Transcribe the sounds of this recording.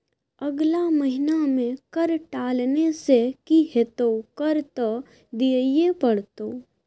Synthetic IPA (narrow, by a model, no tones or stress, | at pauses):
ɐɡlaməɦɪnamẽkəɾʈaːlnesekiɦet̪okəɾt̪o | d̪iəjepəɽt̪o